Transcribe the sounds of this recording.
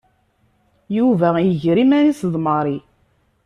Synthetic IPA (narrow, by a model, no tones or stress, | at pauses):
juvæjəʝɾimæɾisðˤməɾˤi